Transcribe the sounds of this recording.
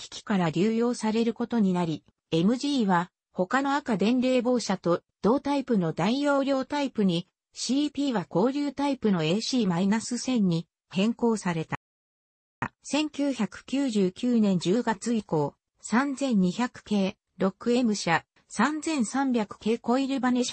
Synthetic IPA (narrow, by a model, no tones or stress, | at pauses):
kʲi̥kʲi̥kaɾaɾʲɨːjo̞ːsaɾe̞ɾɯ̟ko̞t̪o̞ɲ̟inaɾʲi | e̞mɯ̟ʑiːβa | ho̞kano̞akad̪ẽ̞nɾe̞ːbo̞ːɕat̪o̞d̪̥o̞ːt̪aipɯ̟no̞d̪aijo̞ːɾʲjo̞ːt̪aipɯ̟ɲ̟i | ɕiːpʲiːβako̞ːɾʲɨːt̪aipɯ̟no̞e̞ːɕiːmainasɨsẽ̞ɲ̟ːi | hẽ̞ŋko̞ːsaɾe̞t̪a | sẽ̞ŋkʲɨːçakɯ̟̥kʲɨːʑɨːkʲɨːnẽ̞ɲ̟d͡ʑɨːɡat͡sɨiko̞ː | sãnd͡zẽ̞ɲ̟ːiçakɯ̟̥ke̞ː | ɾo̞kɯ̟e̞mɯ̟ɕa | sãnd͡zẽ̞ɰ̃sãmbʲakɯ̟̥ke̞ːko̞iɾɯ̟baneɕ